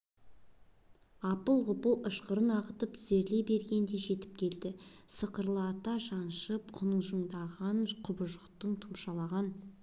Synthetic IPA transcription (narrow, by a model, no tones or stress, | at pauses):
ɑpəlˠʁʊpəlˠəʃqəɾənɑʁət̪əpz̥e̞ɾle̞be̞ɾɡʲe̞nd̪e̞ʒe̞t̪ɪ̥p̚kʲʰe̞ld̪ɪsəqəɾlˠːt̪ɑʒɑnʃəp̚qʰʊnəɴʒəɴd̪ɑʁɑnqʰʊbəʒəqt̪əɴt̪ʰʊmʃɑlˠɑʁɑn